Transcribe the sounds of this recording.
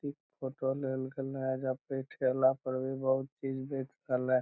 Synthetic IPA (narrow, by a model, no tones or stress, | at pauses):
t̪ikpʰoːʈolelɡelɦɛ̃d͡ʒapeʈʰelapəɾbibəɦʊt̪̚t͡ʃid͡ʒbeːt͡ʃkəlɛ̃